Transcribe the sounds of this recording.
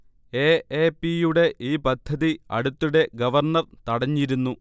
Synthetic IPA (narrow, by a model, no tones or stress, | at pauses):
eːeːpːijuɽe̞ʔiːpɐd̪ʱːɐðiɐ̰ɽut̪ːuɽe̞ɡɐʋɐrɳɐrt̪ɐɽɐɲːiɾunːu